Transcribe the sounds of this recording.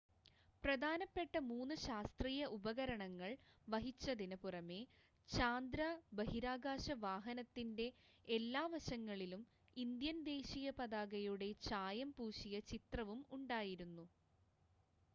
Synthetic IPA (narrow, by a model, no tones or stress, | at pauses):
prɐd̪ʱaːnɐpːe̞ʈːɐmuːnːɨɕaːst̪riːjɐʔubɐɣɐɾɐɳɐŋːɐɭʋɐɦit͡ɕːɐd̪inɐpurɐme̞ | t͡ɕaːnd̪ɾabɐɦiɾaːɡaːɕɐʋaːɦɐnɐt̪ːinde̞ː | lːaːʋɐɕɐŋːɐɭilum | ind̪jɐnd̪e̞ːɕijɐpɐd̪aːɡɐjuɽe̞t͡ɕaːjɐmpuːɕijɐt͡ɕit̪rɐʋumuɳɖaːjiɾunːu